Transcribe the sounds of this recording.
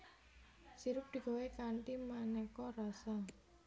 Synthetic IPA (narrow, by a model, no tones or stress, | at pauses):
siɾʊp̚d̪̥i̤ɡa̤wekanʈimanɛkɔrasa